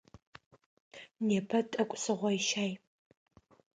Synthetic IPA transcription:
neːpʰɐtʼɐkʷʼsɨʁʷɔjʃaːj

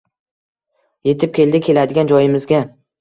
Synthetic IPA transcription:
je̞t̪ʰɪp̚kʲʰe̞ld̪ɪkʲʰe̞lad̪ɪɡʲand͡ʒɒjɪmɪzɡʲa

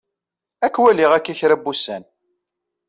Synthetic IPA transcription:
ækːwæliʁækːiçɾæbːusːæn

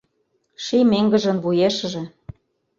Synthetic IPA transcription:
ʃimeŋɡə̆ʒə̆nβujeʃʒĕ

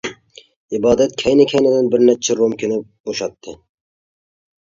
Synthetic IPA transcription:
ibɑːd̪ɛt̪̚kʲʰɛjnɪkʲʰɛjnɪd̪ɪnbɪɾnæt͡ʃʰɪɾomkʲʰɪnɪp̚b̥oʃɑt̪ʰːɨ

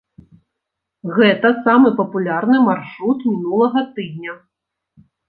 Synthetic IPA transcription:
ɣɛt̪ɐsamɨpɐpulʲarnɨmarʂɾut̪mʲinulˠɐɣɐt̪ɨd̪̚ʲnʲɐ

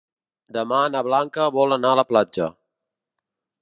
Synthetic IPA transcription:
d̪əmanəβlaŋkəβɔlənaələplad͡ʒə̰

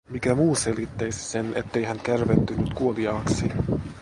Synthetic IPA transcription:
mikæmuːse̞lit̪ːejsi̥se̞ne̞t̪ːe̞jɦænt̪kærʋet̪ːynyt̪kuoliɑːksi

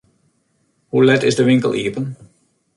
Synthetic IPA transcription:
hulɛtɪ̰zdəʋɪŋkə̰lˠiəpən

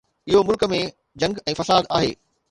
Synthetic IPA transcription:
ɪɦomʊlkəmẽ | d͡ʑɐ̃ŋɡɛ̃ːfɐsaːd̪a̰ːɦeː

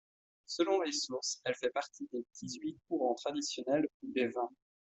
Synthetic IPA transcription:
səlɔ̃lesuʁsɛlfɛpaʁt̪ʰid̪epət̪ʰizɥikuʁɑ̃t̪χad̪isjɔnɛlud̪evɛ̃

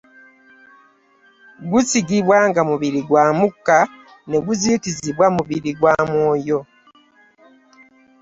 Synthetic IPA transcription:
ɡusiɡiβwaŋɡamuβiɾiɡwaːmukːa | ne̞ɡuziːkiziβwamuβiɾiɡwaːmwoːjo̞

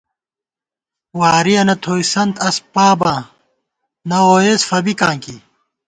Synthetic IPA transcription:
waːɾiɐnɐt̪ʰoːjsɐnt̪ɐspaːbãː | nɐoːjeːsfɐbikãːŋki

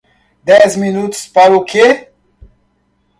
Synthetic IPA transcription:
d̪ezminut̪spaɾukʰe

